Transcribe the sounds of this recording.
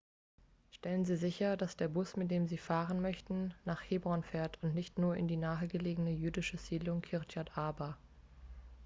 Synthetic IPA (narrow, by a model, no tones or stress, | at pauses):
ʃtɛlənziːzɪçɐdasd̥eːɐbʊsmɪt̚d̥eːmziːfaːʁənmœçtn̩naːχheːbʁɔnfɛːɐtʰʊntnɪçtnuːɐʔɪ̰ndiːnaːəɡəleːɡənəjyːdɪʃəz̥iːdlʊŋkʰɪɐtjatʔaɐba